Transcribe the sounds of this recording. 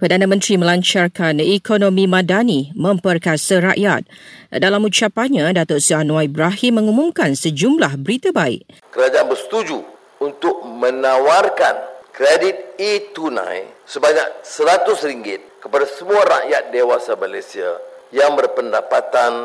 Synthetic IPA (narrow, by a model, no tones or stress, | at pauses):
pərdanãmə̃nt̪ɾimə̃laɲt͡ʃarkanikonõmĩmãdanimə̃mpərkasaɾa̰ʔjat̪̚dalamut͡ʃapaɲãdat̪ɔsianwaibɾaɦimːə̃ŋumũmkansəd͡ʒumlahbəɾit̪abaḭʔ̚ | kəɾad͡ʒaanbərst̪ud͡ʒu | unt̪ʊk̚mə̃nãwarkankɾedit̪̚it̪unã̰jsəbaɲak̚səɾat̪ʊsɾiŋɡɪt̪̚kəpadasəmuaɾa̰ʔjat̪̚dewasamalesia̰jaŋbərpəndapat̪an